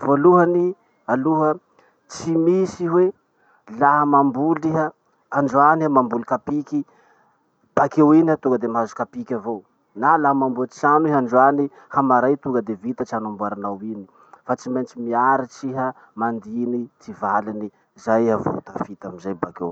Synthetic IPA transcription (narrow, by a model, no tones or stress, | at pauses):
voluɦani | aluɦə | t͡simisiɦwe | laɦəmambuliɦə | aɳɖ͡ʐuaniamambulikapiki | b̥akewiniat̪uŋɡəd̪emazukapikʲavow | nalaɦəmambuət͡sianiɦaɳɖ͡ʐwani | hamaɾajt̪uŋɡəd̪evit̪ət͡ʃanambuaɾanawini̥ | fat͡simejnt͡ʃimiaɾit͡siɦə | mand̪init͡sivalini | zajavo̰t̪afit̪amizajbakew